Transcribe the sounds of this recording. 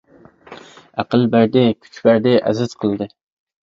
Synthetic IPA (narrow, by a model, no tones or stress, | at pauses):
æqəlˠbæɾd̪ɪkʲʰy̥t͡ʃbæɾd̪ɪʔæ̰zɨt̪qʰəlˠd̪ɨ